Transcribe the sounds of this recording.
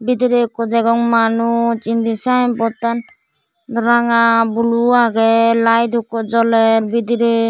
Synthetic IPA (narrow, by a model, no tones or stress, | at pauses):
bid̪iɾekɔd̪ɛɡɔŋmanut͡ʃind̪isampɔt̪an | d̪ɔɾaŋabuluaɡɛlajd̪ʱukɔd͡ʒɔlɛɾbid̪iɾe